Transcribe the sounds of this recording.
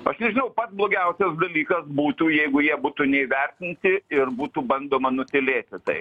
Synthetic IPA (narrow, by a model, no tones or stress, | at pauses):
ɐʃnʲɛʒʲɪnɐʊpɐt̪sblˠoːɡʲɛʊsʲɛsd̪ɐlʲiːkɐsbuːt̪uːjɛɪɡʊjiɛbuːt̪unʲɛiʋʲɛrʲt̪ʲɪnʲt̪ʲɪɪrbuːt̪uːbɐnd̪oːmɐnʊsʲɪlʲeːt̪ʲɪt̪ɐ̰ɪ